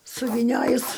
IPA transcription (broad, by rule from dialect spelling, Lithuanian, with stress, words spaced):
sʊʋʲiːˈnʲoːjʊs